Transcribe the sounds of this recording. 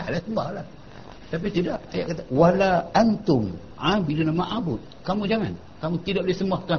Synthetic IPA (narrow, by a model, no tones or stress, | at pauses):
alasəmbahlah | t̪ap̬it̪idaʔ̚aja̰ʔkat̪awalaʔant̪ʊm | abidunamaʔabʊt̪̚kamũd͡ʒaŋa̰n | kamũt̪idaʔ̚lisəmaht̪ua